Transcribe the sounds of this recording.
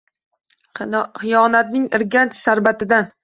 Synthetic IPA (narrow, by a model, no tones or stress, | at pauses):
χɪjɒnat̪̚nɪŋɪɾɡʲant̪ʰsaɾbat̪ɪd̪an